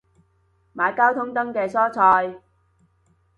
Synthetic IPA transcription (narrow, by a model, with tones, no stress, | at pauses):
maː˨˧jkaː˥wt̪ʰʊ˥ŋt̪ɐ˥ŋkɛː˧sɔː˥t͡sʰɔː˧j